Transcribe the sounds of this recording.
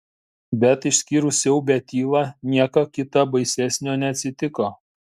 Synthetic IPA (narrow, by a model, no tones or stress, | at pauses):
bʲɛt̪ɪʃʲsʲkʲiːɾʊsʲjɛʊbʲɛt̪ʲiːlˠɑnʲiɛkɐkʲɪt̪ɐbɐɪsʲæsʲnʲoːnʲɛɐt̪ʲsʲɪt̪ʲɪkoː